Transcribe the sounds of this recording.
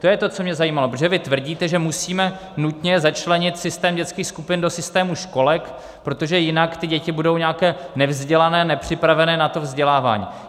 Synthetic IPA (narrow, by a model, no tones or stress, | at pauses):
t̪ojɛt̪o̞t͡so̞mɲɛzajiːmalopɾoʒɛvɪt̪vr̩ɟiːt̪ɛʒɛmusiːmɛ | nut̪ɲɛzat͡ʃlɛɲɪt̪sɪst̪ɛːmɟɛt͡skiːxskupɪndo̞sɪst̪ɛːmuʃko̞lɛk | pɾo̞t̪o̞ʒɛjɪnakt̪ɪɟɛcɪbudo̞wɲaːkɛːnɛvzɟɛlanɛːnɛpr̝̥ɪpɾavɛnɛːnat̪o̞vzɟɛlaːva̰ːɲḭː